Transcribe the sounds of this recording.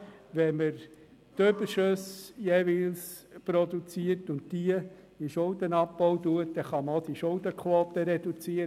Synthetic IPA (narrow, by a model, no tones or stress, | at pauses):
ʋɛməɾ | tøbəɾʃøsjeʋils | pɾɔd̪ut͡siəɾtʊntd̥iə | iʃʊld̪ənɑpːɔʊt̪uət̚dɛχɑməod̪iʃʊld̪əkʰχwoːt̪əɾɛd̥̪ut͡siəɾ